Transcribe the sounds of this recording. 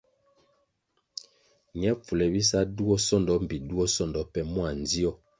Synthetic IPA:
ɲɛ˦p͡fu˨lɛ˨bi˦sa˦du˦ɔ˦sɔ˦ndɔ˨˦m̩˨bi˨du˦ɔ˦sɔ˦˨ndɔ˨˦pɛ˦mwa˨n˨zi˦ɔ˦

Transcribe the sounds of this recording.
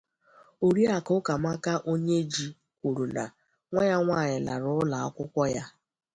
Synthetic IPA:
o˨ɾi˦a˨kʊ˦ka˨ma˦ka˦ʔo˦ɲe˦d͡ʒi˦ | kʷu˨ɾu˨na˨ | ŋʷa˦ɲa˦ŋʷaː˦˨ɲɪ˨la̰˨ɾʊ˦ʊ˦la˨ɔ˦kʷʊ˦kʷɔ˦ja˦

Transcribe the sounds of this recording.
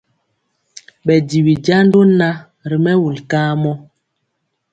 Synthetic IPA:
ɓɛ˨di˨wi˨d͡ʒa˦n˦do˦na˦ | ɾi˨mɛ˦wu˨lkaː˦mɔ˦

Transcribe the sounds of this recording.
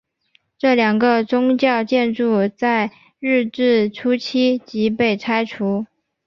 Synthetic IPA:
ʈ͡ʂɤ˥˩ljɑ˨˩ŋɡə˧t͡sʊ˥ŋt͡ɕjɑ˥˧ʊt͡ɕjɛ˥˧nʈ͡ʂu˥˧t͡sa˥˧ɪ | ɻɻ̩˥˧ʈ͡ʂɻ̩˥˩ʈ͡ʂʰu˥t͡ɕʰi˥t͡ɕi˧˥pe˥˩ɪt͡sʰa˥ɪʈ͡ʂʰu˧˥

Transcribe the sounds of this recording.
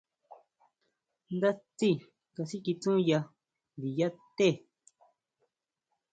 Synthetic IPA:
nd̪a˦t͡si˦˨ | ka˧si˦ki˧t͡sũ˦ja˧ | nd̪i˨ja˦t̪e˦˨

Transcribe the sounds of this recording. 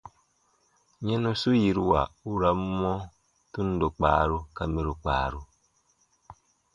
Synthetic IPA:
ɲɛ̃˦nu˦su˦ji˨ɾu˦wa˨u˦ɾa˨˦mːɔ˦ | tu˦n˦do˨k͡paː˨ɾu˦ka˦mi˦ɾu˨k͡pa̰ː˨ɾu˦

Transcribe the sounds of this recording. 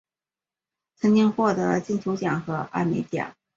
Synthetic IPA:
t͡sʰɤ˧˥ŋt͡ɕi˥ŋxwɔ˥˩t̪ɤ˧˥t͡ɕi˥˩nt͡ɕʰjo˧˥ʊt͡ɕjɑ˨˩ŋxɤ˧˥ʔa̰˥˩me˧˥ɪt̪jɑ̰˨˩˦ŋ

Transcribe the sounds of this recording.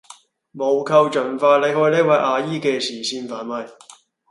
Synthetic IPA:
mo˨˧wkʰɐ˧wt͡ʃɵ˨˩nfaː˧t̚le˨˧jhɔː˧jniː˥k̚wɐ˨˧˥jʔaː˨˧jiː˥kɛː˧sʰiː˨˩siː˧nfaː˨˥nmɐ˨˧j

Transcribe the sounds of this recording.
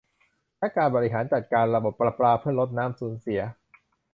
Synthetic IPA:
lɛ˦˥kaː˧nbɔː˧ɾi˦˥ɦaː˩˦nt͡ɕa˨˩t̪̚kaː˧nɾa˧bo˨˩ppːɾa˧pɾaː˧pʰɯ˥˩ɐɾo˦˥t̪̚naː˦˥msuː˩˦nsi˨˩˦ɐ

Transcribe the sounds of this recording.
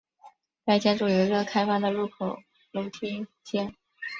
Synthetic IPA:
t͡sa˥˩ɪt͡ɕja˥ʈ͡ʂu˥˩jo˧˥ɪ˥ə˥˧kʰa˥ɪfa˥˩d̪ə˨lu˥˩kʰo˨˩ʊ | lo˧˥ʊt̪ʰi˥ | t͡ɕjɛ˥˩n

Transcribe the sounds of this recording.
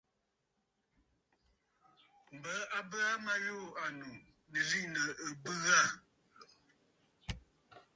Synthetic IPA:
m̩˨bə˨˦a˦bə˦a˦ma˦joː˦˨a˨nu˨ | nə˨li˦ʔnə˨ə˨bɨ˦ɣa˦˨

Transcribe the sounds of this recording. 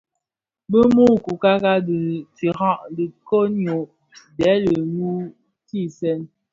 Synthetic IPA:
bə˦mu˦ku˨ka˦ka˦də˨t͡si˨ɾa˦ʔdi˨ko˦ɲo˨ʔ | dɛ˨˦lə˨mu˦ | ti˦˨sɛ˦n

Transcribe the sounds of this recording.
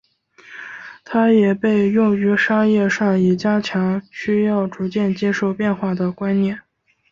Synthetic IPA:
t̪ʰa˥jɛ˨˩pe˥˧ɪjʊ˥˩ŋy˧˥ʂa˥jɛ˥˧ʂɑ˥˩ŋi˨˩t͡ɕja˥t͡ɕʰjɑ˧˥ŋɕy˥jɑ˥˩ʊʈ͡ʂu˧˥t͡ɕjɛ˥˩nt͡ɕjɛ˥ʂo˥˧ʊpjɛ˥˧nxwa˥˩d̪ə˩kwa˥nnjɛ˥˩n

